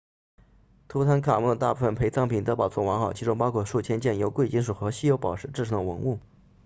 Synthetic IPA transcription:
t̪ʰu˧˥t̪ʰa˥nkʰa˨˩mu˥˩d̪ə˩t̪a̰˥˧pu˥˩fə˨˩npʰe˧˥ɪt͡sɑ˥ŋpʰi˨˩nt̪ɤ˧˥pɑ˨˩ʊt͡sʰwɔ˥˩wɑ˧˥ŋxɑ˨˩ʊt͡ɕʰi˧˥ʈ͡ʂʊ˥ŋpɑ˥ʊkʰwɔ˥ʂu˥˩t͡ɕʰjɛ˥nt͡ɕjɛ˥˩njo˧˥ʊkwe˥ɪt͡ɕi˥nʂu˨˩xɤ˧˥ɕi˥jo˧˥ʊpɑ˨˩ʊʂɻ̩˥˧ʈ͡ʂɻ̩˥˩ʈ͡ʂʰu˧˥ŋd̪ə˧wɤ̰˧˥ŋu˥˩

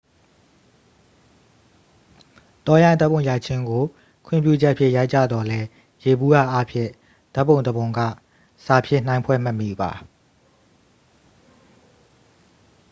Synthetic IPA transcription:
t̪ɔ˦jã˦˨ɪ̃˨d̪a˦pːo˨ʊ̃ja˨t͡ɕʰɪ̃˦ŋɡo˨ | kʰwɪ̰̃˦˨mpjṵ˦˨d͡ʑɛ˦ʔpʰjɪ̰̃˦˨ja˦ɪʔt͡ɕä̰˦˨d̪ɔ˨lɛ˦ | je˨bu˦ja̰˦˨ʔa˦pʰjɪ̰̃˦˨ | d̪̥a˦ʔpːõ˨ʊ̃nd̪əbõ˨ʊ̃ŋɡä̰˦˨ | sa˨pʰjɪ̰̃˦˨n̥ã˦ɪ̃pʰwɛ̰˦˨mə˦˨mḭ˦˨ba˨

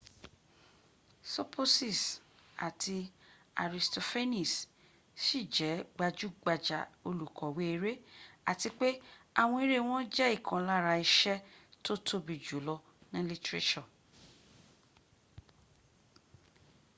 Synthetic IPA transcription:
so˦pʰo˦si˦˨sa̰˨tʰi˧ | a̰˨ɾi˨sto˨fe˦nĩ˨s | ʃi˦˨d͡ʒɛ˨˦ɡ͡ba˧d͡ʒu˦ɡ͡ba˧d͡ʒa˨o˧lu˨kʰɔ˨we˦e˧ɾe˦a˨ti˧k͡pe˦a˦˨w̃ɔ̃˧i˦ɾe˦˨w̃ɔ̃˦d͡ʒɛ˦i˦˨kʰã˨la˦˨ɾa˧i˧ʃɛ˦to˦tʰo˦bi˨d͡ʒu˨˦lɔ˧ | nĩ˦li˦tɾe˦ʃɔ̃˦˨

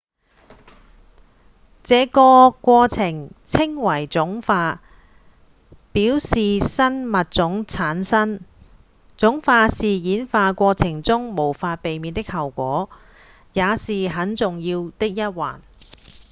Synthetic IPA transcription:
t͡sɛː˨˧kɔː˧kʷɔː˧t͡sʰɪ˨˩ŋt͡sʰɪ˥ŋwɐ˨˩jt͡sʊ˨˥ŋfaː˧ | piː˨˥wsiː˨sɐ˥nmɐ˨t̚t͡sʊ˨˥ŋt͡sʰaː˨˥nsɐ˥n | t͡sʊ˨˥ŋfaː˧siː˨jiː˨˥nfaː˧kʷɔː˧t͡sʰɪ˨˩ŋt͡sʊ˥ŋmo˨˩wfaː˧t̚pe˨jmiː˨˧nt̪ɪ˥k̚hɐ˨˩wkʷɔː˨˥ | jaː˨˧siː˨ɦɐ˨˥nt͡sʊ˨ŋjiː˧wt̪ɪ˥k̚jɐ˥t̚wa̰ː˨˩n

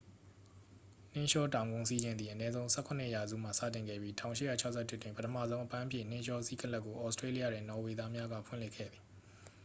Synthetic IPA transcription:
n̥ɪ̃˦ʃɔ˦tã˨ʊ̃ŋɡʊ̃˦si˦d͡ʑɪ̃˨nd̪i˨ʔənɛ˦zõ˦ʊ̃sɛ˦kʰʊ̃˨n̥ɪ̰˦˨ja˨zṵ˦˨m̥a˨sä̰˦˨tɪ̃˨ŋɡɛ̰˦˨bji˦tʰã˨ʊ̃ʃɪ˦˨ja˦˨t͡ɕʰa˦ʊʔsʰɛ˦˨tɪ˦ʔtwɪ̃˨pə˦tʰə˨mä̰˦˨zõ˦ʊ̃ʔəpã˦ʔəpʰjɪ̰̃˦˨n̥ɪ̃˦ʃɔ˦si˦kə˦la˦kːo˨ʔɔ˦stɹe˦li˦ja̰˦˨dɪ̃˨nɔ˨we˨d̪a˦mja˦ɡä̰˦˨pʰʊɪ̰̃˦˨lɪ˦ʔkʰːɛ̰˦˨d̪ði˨

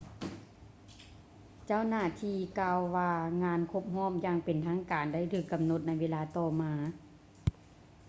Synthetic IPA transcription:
t͡ɕa˥˩˨wnaː˧˩t̪ʰiː˧kaː˧wːaː˧ŋaː˧˥nkʰo˧˥˩p̚hɔː˧˥˨mjaː˧˨ŋpe˨nt̪ʰaː˧˥˨ŋkaː˨˩nda˥˩jt̪ʰɯː˧˩kːa˨mno˧˥t̪̚na˧˩jʋeː˧˥˧laː˧˥t̪ɔː˧˩maː˧

